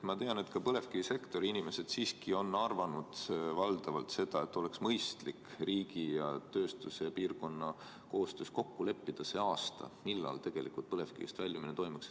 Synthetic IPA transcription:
mɑt̪e̞ɑne̞t̪kɑpɤle̞fkiise̞kt̪o̞ɾiinime̞se̞d̪̥siːskio̞nːɑrvɑnud̪̥vɑld̪̥ɑvɑlt̪se̞d̪̥ɑe̞t̪ːˑo̞leksmɤjst̪likriːɡijɑt̪ø̞ːst̪useɑpiːrko̞nːɑ | ko̞ːst̪øːsko̞kːule̞pːid̪̥ɑse̞ːɑːst̪ɑ̰milːɑ̰lt̪e̞ɡ̥e̞lḭkult̪̚pɤle̞fkḭḭst̪vælʲjɑminet̪ojmɑks

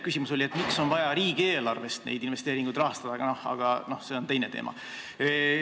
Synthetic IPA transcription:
kysimuso̞lʲie̞t̪ːˑmikso̞nvɑjɑɾiːɡ̥ie̞ːlɑrve̞st̪nḛjd̪inve̞st̪e̞ːɾiŋɡ̥ujd̪rɑɦɑst̪ɑd̪̥ɑɡ̥ɑnohɑ̰ɡ̥ɑno̞hse̞ːo̞nt̪e̞jne̞t̪ḛːmʔɑ̰

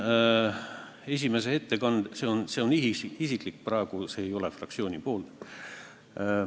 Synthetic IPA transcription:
e̞s̬ʲime̞s̬eet̪ːe̞kɑnd̪̥se̞onse̞oniisikˑlikːprɑeɡ̥use̞ːjo̞lefrɑ̰ktsio̞ːnʲipo̞ːlt̪

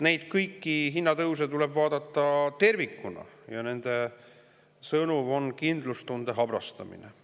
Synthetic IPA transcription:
ne̞jd̪̥kɤjkːiɦinːɑt̪ɤws̬et̪ule̞bvɑːd̪ɑt̪ˑːɑt̪e̞rvikːunɑ̰jɑne̞nd̪̥e̞ | sɤnuvo̞nkind̪lust̪und̪e̞ɦɑb̥rɑst̪ɑ̰mḭnḛ

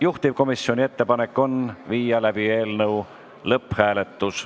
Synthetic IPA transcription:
juht̪ib̥̚ko̞misio̞nʲie̞t̪ːe̞pɑne̞kːˑo̞nviːjɑlæb̥ie̞ːlnɤw | lɤpːˑhæːle̞t̪ːˑus

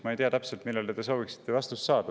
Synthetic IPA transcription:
mɑejt̪ijɑt̪æpselt̪milːeld̪et̪e̞so̞ːviksi̥t̪ːe̞vɑst̪ussɑːd̪ɑ

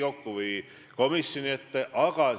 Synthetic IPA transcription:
okːuvɯj | ko̞misːjoniet̪ːʔɑkɑ

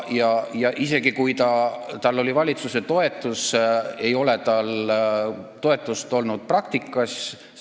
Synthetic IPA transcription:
jɑjɑʔise̞ɡikujt̪ɑt̪ɑlːo̞lʲivɑlʲit̪suse̞t̪o̞e̞t̪ːˑuse̞jo̞le̞t̪ɑl | t̪o̞e̞t̪ːˑust̪o̞lnud̪̥̚prɑk̚t̪ikːˑɑs

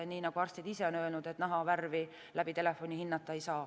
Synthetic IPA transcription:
nʲiːnɑɡ̥uɑrst̪id̪̥ise̞onø̞elnud̪̥e̞t̪næɦɑʋærvi | læb̥it̪e̞le̞fːo̞nʲihinːɑt̪ːˑɑejsɑː

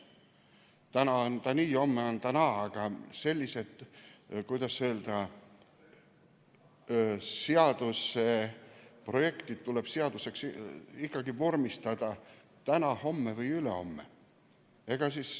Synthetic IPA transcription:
t̪ænɑont̪ɑniːo̞mːeont̪ɑnɑɑɡ̥ɑse̞lʲːise̞t̪kujd̪̥ɑsøːld̪̥ɑ | seɑd̪̥usepro̞je̞kt̪id̪̥̚t̪ule̞b̥seɑd̪use̞ksikːˑɑɡivormist̪ɑd̪̥ɑ | t̪ænɑho̞mːevɤjyle̞̰o̞̰mːḛ | eɡ̥ɑsiːs

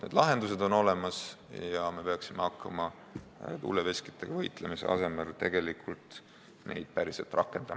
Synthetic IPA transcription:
ned̪lɑɦe̞nd̪us̬e̞d̪o̞no̞le̞mɑs | jɑme̞pe̞ɑksimeɑkːɑmɑ | t̪ṵlːeve̞ski̥t̪ːˑeɡ̥ɑvɤjt̪ˑlemise̞̰ɑ̰se̞me̞lt̪e̞ɡ̥e̞likʰult̪ | ne̞̰jd̪̥̚pæɾiselt̪ˑrʔɑkːˑe̞nd̪̥ɑmɑ

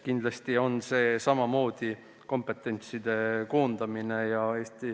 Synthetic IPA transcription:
kind̪lɑst̪io̞nse̞ːsɑmɑmo̞ːd̪̥i | ko̞mpe̞t̪ˑːe̞nʲt̪sid̪e̞ko̞ːnd̪ɑmine̞jɑe̞ːst̪i

